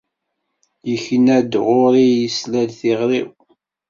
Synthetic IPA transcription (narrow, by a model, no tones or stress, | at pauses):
jəçənæd̪ʁʊɾijəslælθiʁɾiw